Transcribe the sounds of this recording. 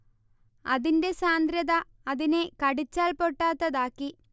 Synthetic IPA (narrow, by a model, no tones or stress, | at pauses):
ɐðinde̞saːnd̪ɾjɐðɐ | ɐðinekɐɽit͡ɕːaːlpoʈːaːt̪ːɐðaːkːi